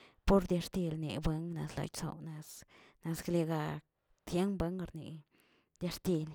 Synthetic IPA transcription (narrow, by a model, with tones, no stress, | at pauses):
po˦ɾd̪ja˧ɾt̪i˧lnḭ˨ba˦ŋna̰˧sla̰˧˨jso̰˧wna˧s | na˧skle˧ɡa˧ | t̪ʰje˦nba˦ŋ˧ɾnḭ˨ | d̪ʲa˧ɾt̪i˧l